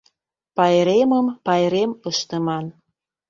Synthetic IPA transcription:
pɑjɾeməmpɑjɾeməʃt̪ə̆mɑn

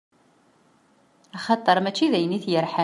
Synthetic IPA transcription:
ɑχɑt̪ˤːəɾˤmæt͡ʃːiðæjəniθjəɾħa

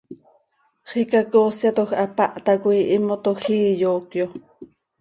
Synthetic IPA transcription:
χikakoːsjat̪oxapaʔt̪akʷiʔɪmot̪oxiːjoːkjo

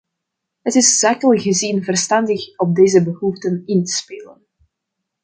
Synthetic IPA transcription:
ɦətɪsz̥akəlˠɣəzinvərstɑndəxɔb̚deːzəbəɦuftənɪntə̥speːlən

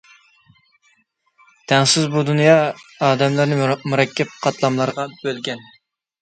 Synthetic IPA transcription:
t̪ʰɛŋsɪzbud̪unjɑɑːd̪ɛmlˠɨɾnɪmuɾɑkʲʰːɛp̚qʰɑt̪lˠɑmlˠɑɾʁɑb̥ølɡʲɛn

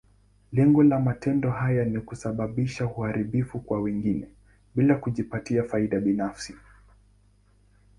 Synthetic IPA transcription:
lɛŋɡɔlamatʰɛndɔɦajanikusaɓaɓiʃauhaɾiɓifukwawɛŋɡinɛ | ɓilakuʄipatiafaiɗaɓinafsi

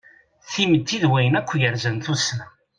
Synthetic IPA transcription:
θiməd̪ːiðwæjənækʷːjəɾzənθusnæ

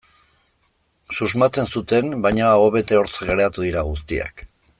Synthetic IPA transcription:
suzmat͡se̞nsut̪e̞mbajɲao̞βe̞t̪e̞o̞ɾt͡sɣeɾeat̪uðiɾaɣ̞ust̪ia̰k

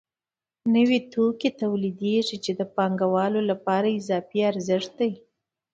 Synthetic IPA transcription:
nəwet̪oket̪awlid̪eʐit͡ʃed̪əpɑŋɡawɑlolapɑɾaɪzɑfiaɾzɪʂt̪̚d̪aj

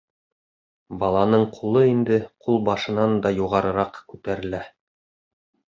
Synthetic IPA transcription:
bɑlˠɑnɤɴqʰulˠɤind̪ɘqulˠbɑʃɤ̆nɑnd̪ɑjuʁɑɾɤ̆ɾɑqkʉt̪æɾɘ̆læ

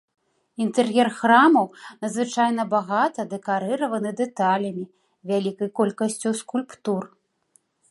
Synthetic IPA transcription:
int̪ɛrjɛrxɾamɐwnɐd̪zvɨt͡ʂajnɐbaɣat̪ɐd̪ɛkaɾɨɾɐvɐnɨd̪ɛt̪alʲɐmʲi | vʲalʲikɐjkɔlʲkɐsʲt͡sʲuskulʲpt̪ur

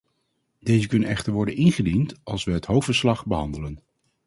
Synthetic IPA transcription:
dejzəkɵnənɛχtəɹʋɔɹdənɪnχədintɑlˠsʋəɦətɦowftfəɹslɑχbəɦɑndələn

